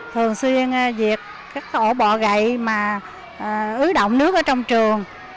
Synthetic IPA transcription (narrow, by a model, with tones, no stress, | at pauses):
t̪ʰɨ˨˩əŋswi˧ən˧zi˨˩ət̚ | kaː˦˥k̚ʔo˧˩ɓɔ̰˧˨ɣə̰˧˨jmaː˨˩˨ | ʔɨ˨˦ɗo̰˧˨wŋ͡mnɨ˦˥ək̚ʔːt͡ɕɔ˧wŋ͡mt͡ɕɨ˨˩əŋ